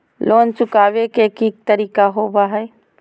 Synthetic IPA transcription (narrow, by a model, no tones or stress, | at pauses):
lʔoːnt͡ʃʊkaːwekekiːk̚t̪əɾiːkaɦoːbaɦɛː